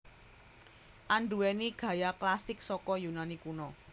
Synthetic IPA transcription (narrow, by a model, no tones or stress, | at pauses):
ʔanɳɖuwɛniɡ̥a̤jaklasɪk̚sɔkɔjunanikunɔ